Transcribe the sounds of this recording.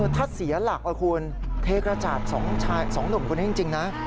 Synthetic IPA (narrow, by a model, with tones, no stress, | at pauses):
t̪ʰa˦˥˩t̪̚si˨˩˦ɐla˨˩k̚la˧wkʰu˧ən | k̪ʰeː˧˥kɾa˧t͡ɕaː˨˩t̪̚sɔ˩˦ŋt͡ɕʰaː˧jsɔ˩˦ŋnɯ˨˩kʰːni˦˥t͡ɕi˧ŋt͡ɕi˧ŋna˦˥